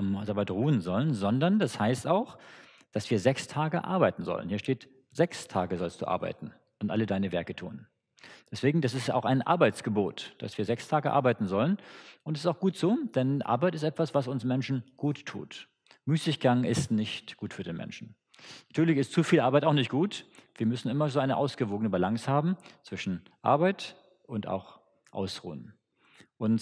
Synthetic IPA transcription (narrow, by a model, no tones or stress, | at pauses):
mzaːbatʁuːənzɔlənzɔndɐndashaɪstaʊx | d̥asv̥iːɐzɛkstʰaːɡəʔa̰ɐbaɪtn̩zɔ̰lə̰nhiːɐʃteːt | z̥ɛkstʰa̰ːɡəzɔlst̚d̥ṵːʔa̰ɐba̰ɪtn̩ | ʔʊntʔa̰lədaɪnəvɛɐkətʰṵːn | d̥ɛsv̥eːɡŋ̩d̥as̬ɪsta̰ʊxaɪnʔa̰ɐbaɪt͡sɡ̥əboːtd̥a̰sv̥iːɐzɛkstʰaːɡəʔa̰ɐbaɪtn̩zɔlənʔʊntɛsɪstaʊxɡ̥uːtz̥oːd̥ɛnʔa̰ɐbaɪtɪs̬tʔɛtv̥asv̥asʊnsmɛnʃn̩ɡ̥uːtʰːṵːt | myːsɪçɡ̥aŋɪstnɪçtɡ̥uːtfyːɐdeːnmɛ̰nʃn̩ | natʰyːɐlɪçɪstt͡sufiːlʔaɐbaɪtaʊxnɪçt̚ɡ̥uːtv̥iːɐmʏsn̩ɪmɐzoːaɪnəʔaʊsɡ̥əvoːɡənəbalaŋshaːbm̩t͡sv̥ɪʃn̩ | ʔa̰ɐbaɪt | ʔʊnta̰ʊx | ʔa̰ʊsʁṵːən | ʔʊnt